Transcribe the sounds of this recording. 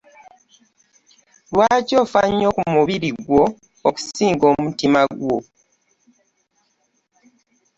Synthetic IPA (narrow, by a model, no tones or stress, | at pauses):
lwaːco̞ːfaɲːoːkumuβiɾiɡwo̞ | oku̥siːŋɡo̞ːmutimaɡwo